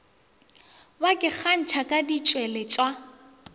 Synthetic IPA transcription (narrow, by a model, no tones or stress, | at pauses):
bakʼɪk͡xʰan̩t͡ʃʰakʼadit͡ʃʼwɛlɛt͡ʃʼwa